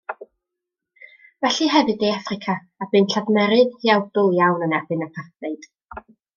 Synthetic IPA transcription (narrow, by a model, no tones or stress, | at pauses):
vɛɬɨɦɛvɨdeafrɪkʰaːbɨnɬaðmɛɾɨðhiawd̥ʊlˠjawnənɛbɨnapʰaθeɨd̥